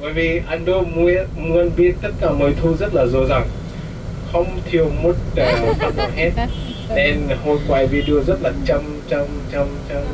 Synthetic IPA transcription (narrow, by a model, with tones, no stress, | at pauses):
vəː˧˨˩jvi˨˩ʔa˧˩nɗo˧mu˧˥mu˧ə˧nɓi˦˥ət̚t̪ə˦˥t̚kaː˧˩məː˨˩jt̪ʰu˧zə˦˥t̚laː˨˩zo˨˩za˨˩ŋ | xə˧wŋ͡mt̪ʰi˨˩əwmo˨˩˦t̚ə˨˩faː˧˨˩a˨˩hɛ˦˥t̚ | ne˧nho˧jkwaː˨˩jvi˨˩ɗɨ˧əzə˦˥t̚laː˨˩t͡ɕa˧m | t͡ɕa˧mt͡ɕa˧mt͡ɕa˧m